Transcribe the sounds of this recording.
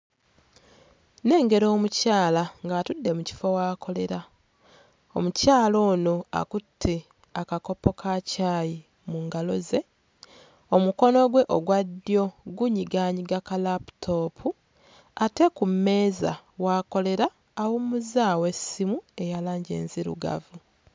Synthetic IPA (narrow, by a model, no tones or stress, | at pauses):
ne̞ːŋɡe̞ɾo̞ːmucaːlaŋɡaːtudːe̞muci̥fowaːkʰo̞le̞ɾa | o̰mucaːlo̞ːno̞a̰kutʰːi | akako̞po̞kʰacaːji | muːŋɡalo̞ze̞ | o̞muko̞no̞ɡwe̞ʔoɡwadːijo̞ɡuɲiɡaːɲiɡakalapu̥tʰo̞pʰu | ate̞kumːe̞ːza̰waːko̞le̞ɾaː | wumuzaːwe̞simue̞jalaːɲɟḛːnziɾṵɡa̰vu